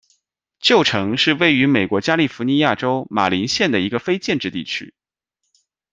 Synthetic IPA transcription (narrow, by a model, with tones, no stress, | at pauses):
t͡ɕjo˥˩ʊʈ͡ʂʰɤ˧˥ŋʂɻ̩˥˧we˥˩ɪy˧˥me˨˩ɪkwɔ˧˥t͡ɕja˥li˥˩fu˧˥ni˧˥ja˥˩ʈ͡ʂo˥ʊma̰˨˩li˧˥nɕjɛ˥˩nd̪ə˩i˧˥ɡə˧fe˥ɪt͡ɕjɛ˥˧nʈ͡ʂɻ̩˥˧t̪ḭ˥˩t͡ɕʰy̰˥